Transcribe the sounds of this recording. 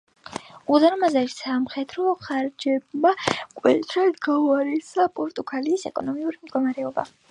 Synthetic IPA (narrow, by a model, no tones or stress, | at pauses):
uzaɾɔmazaɾisamχɛd̪ɾɔχaɾd͡ʒɛb̚makʼwɛt̪ʰɾɛd̪ɡauaɾɛsapʼɔɾt̪ʼuɡaliːsɛ̰kʼɔnɔmiuɾimd̪̚ɡɔmaɾɛɔba̰